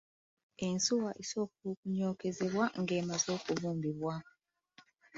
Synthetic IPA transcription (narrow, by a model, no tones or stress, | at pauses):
e̞nsuwaʔiso̞ːk̚uukuɲoːke̞ze̞βwaŋɡe̞ːmazo̞ːkuβuːmbiβwa